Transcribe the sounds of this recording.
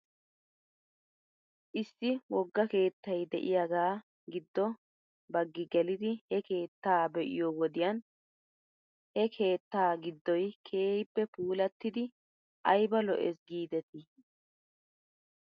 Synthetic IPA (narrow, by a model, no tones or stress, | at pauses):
ʔɪsːɪwɔɡːɐke̞ːt̪ːɐjd̪ɛ̰ʔɪjaɡaː | ɡɪd̪ːɔ | bɐɡːɪɡɛlɪd̪ɪhɛke̞ːt̪ːaːbɛʔɪ̰jowɔd̪ɪjan | hɛkʰe̞ːt̪ːaːɡɪd̪ːɔjkʰe̞ːhɪpːɛpuːlɐt̪ːɪd̪ɪ | ʔɐjbɐlɔ̰ʔɛ̰sɡiːd̪ɛt̪ɪ